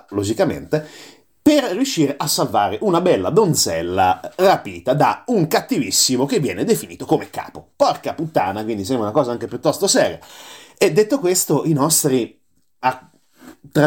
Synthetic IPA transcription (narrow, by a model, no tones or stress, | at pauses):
lod͡ʒikamḛnt̪e | perːjuʃːiːɾeʔasːalvaːɾeʔunabɛlːa̰d̪ond̪t̪zɛlːarapiːt̪ad̪auŋkat̪ːivisːimok̟evːjɛ̰ːned̪efinḭːt̪okomekːa̰ːpopɔrkaput̪ːaːnakwind̪isɛmbɾaunakɔːzaaŋk̟epjut̪ːɔst̪osɛːɾija̰ed̪ːet̪ːokwest̪oʔinɔst̪ɾi | a | t̪ːɾa